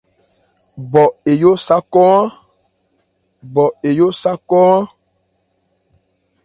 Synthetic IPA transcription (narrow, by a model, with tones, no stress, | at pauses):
bɔ˨e˨jo˦sa˦kɔ˦a˦ | bɔ˨e˨jo˦sa˦kɔ˦a˦